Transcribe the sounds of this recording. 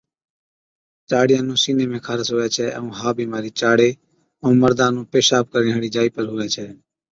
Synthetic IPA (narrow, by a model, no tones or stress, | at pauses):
t͡ʃaːɽɪjãːnũːsiːneːmẽːkʰaːɾəsoːeːt͡ʃʰɛːʔə̰ũːɦaːbʱiːmaːɾiːt͡ʃaːɽeː | əũːməɾd̪ãːnũːpeːʃaːp̚kəɾẽːɦəɽiːd͡ʒaːiːpəɾɦoːʋɛːt͡ʃʰɛː